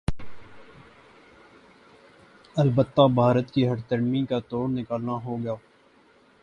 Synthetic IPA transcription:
əlbət̪ːabʱaːɾət̪kiɦɐʈt̪əɽmikat̪oːɾnɪkaːlnaɦoɡɐjaː

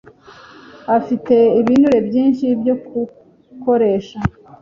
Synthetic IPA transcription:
afite̞iβinuɾe̞bjiːnʃibjo̞ku | ko̞ɾe̞ːʃa

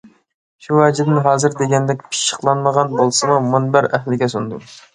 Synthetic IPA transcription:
ʃuwɛd͡ʒɪd̪ɪnɦɑːzɨɾd̪eɡʲɛnd̪ɛkʲpʰi̥ʃːə̥qlˠɑnməʁɑnbolˠsɨmumunbæɾɛɦlɪɡʲɛsund̪u

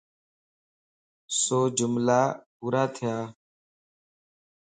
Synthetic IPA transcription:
soːd͡ʒʊmlaːpuːɾaːt̪ʰɪjaː

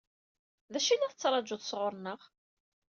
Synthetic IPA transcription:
ðæʃinæθt͡sːɾˤɑd͡ʒʊðsʁʊɾˤnəʁ

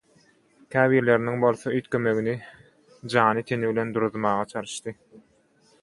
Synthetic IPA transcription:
kʲʰæːβiːɾle̞ɾiniŋbo̞lˠθoyjt̪køme̞ɣini | d͡ʒɑːnɯt̪ʰeniβile̞nd̪uɾuðmɑːʁɑt͡ʃʰɑɾɯʃt̪ɯ

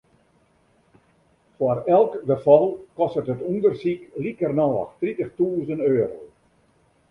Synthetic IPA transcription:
fwarɛlˠkbəfɔlˠkɔstərtətundərsiklikərnɔːɔ̰xtritəxtuːzənøːɾo̰w

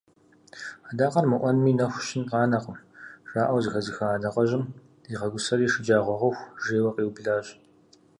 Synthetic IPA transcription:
aːdaːqɐrmɨʔʷɔnmiːnɐxʷʃɪnqɑːnɐqəmʐ̥aːʔɐwzɨxɐzɨxɐaːdɐqɐʑɪm | iːʁɐɡʷʊsɐɾiːʂɪd͡ʒaːʁʷɔʁɐxʷʒeːwɐqʼiːwbɮaːɕ

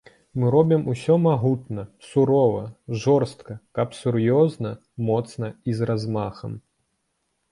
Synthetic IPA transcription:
mɨɾɔbʲimusʲɔmaɦut̪nɐsuɾɔvɐʐɔrst̪kɐkɐpsuɾjɔznɐ | mɔt̪snɐizrazmaxɐ̰m

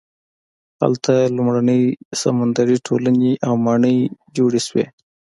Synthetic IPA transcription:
ha̰lt̪ʰalʊmɾanəjsamand̪aɾiʈʰolaneʔawmɑɳəjd͡ʒoɽeʃwḛ

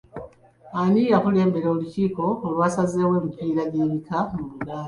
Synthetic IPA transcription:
anijaxule̞ːmbe̞ɾoːluciːko̞ːlwaːsazeweːmupiɾaɟiβikamuβula

